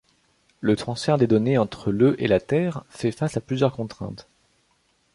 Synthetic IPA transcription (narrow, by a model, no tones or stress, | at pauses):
lət̪χɑ̃sfɛʁd̪ed̪ɔneɑ̃t̪χəløʔelat̪ɛːʁfɛfasaplyzjœʁkɔ̃t̪χɛ̰̃t̪